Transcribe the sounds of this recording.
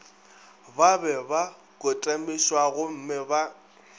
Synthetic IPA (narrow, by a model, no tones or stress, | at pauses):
babɛba | kʼʊtʼemɪʃwaɣʊm̩mɪba